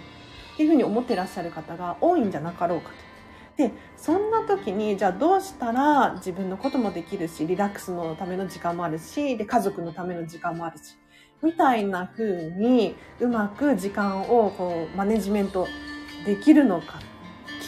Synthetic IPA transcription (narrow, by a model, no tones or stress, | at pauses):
t̪ːeiɯ̟ɸɯ̟ɲ̟io̞mo̞t̪ːe̞ɾaɕːaɾɯ̟kat̪aɡaʔo̞ːĩɲ̟d͡ʑanakaɾo̞ːkḁt̪o̥ | d̪̥e̞ | sõ̞nːat̪o̞kʲiɲ̟id͡ʑaːd̪o̞ːɕi̥t̪aɾad͡ʑibɯ̟̃nːo̞ko̞t̪o̞mo̞d̪e̞kʲiɾɯ̟ɕiɾʲiɾakɯ̥sɨno̞t̪ame̞no̞ʑikãmːo̞aɾɯ̟ɕid̪e̞kazo̞kɯ̟no̞t̪ame̞no̞d͡ʑikãmːo̞aɾɯ̟ɕi̥ | mʲit̪ainaɸɯ̟ːɲ̟iɯ̟makɯ̟ʑikãɰ̃o̞ko̞ːmane̞ʑimẽ̞nt̪o̞d̪e̞kʲiɾɯ̟no̞ka | kʲ